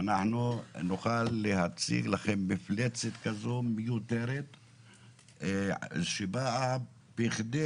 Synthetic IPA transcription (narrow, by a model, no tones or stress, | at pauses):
anaħnunuχalːehat͡sḭɡlaχenmiflet͡set̪kazo̞mejut̪eɾet̪ | ʃebaa | b̥iχd̪e